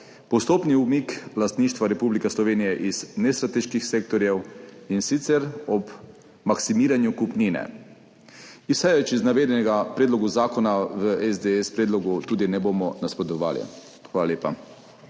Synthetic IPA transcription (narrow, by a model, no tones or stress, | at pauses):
pɔst̪oːpniumiklast̪niːʃt̪ʋaɾɛpublikɛslɔʋeːnijɛʔiz̥nɛst̪ɾat̪eːʃkixseːk̚t̪ɔɾjɛwinsit̪sɛɾɔb | maksimiːɾanjukupniːnɛ̰ | isɛjʋɛt͡ʃiznaʋeːd̪ɛnɛɡapɾɛːd̪lɔɡuzaːkɔnaʋəɛzd̪eɛspɾeːd̪lɔɡut̪uːd̪inɛbomɔnaspɾɔt̪ɔʋa̰ːlḭ | xʋaːlaleːpa